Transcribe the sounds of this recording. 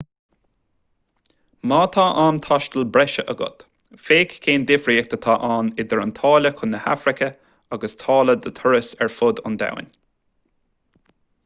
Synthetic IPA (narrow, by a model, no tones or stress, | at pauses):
maːt̪ʰaːʔaːnt̪ʰaʃt̪əlbɾɛʃəʔəɡʊ̰t̪ | feːkkʰːeːnd̪ɪfɾiːk̚t̪ʰət̪ʰaːʔaːnɪd̪əɹənt̪ʰɑːləkʰʊnːəha̰fɾɪkʰə | aɡəst̪ʰɑːləd̪ət̪ʰʊɹəsɛɹfʊd̪ʊ̰nd̪a̰wɪ̰nʲ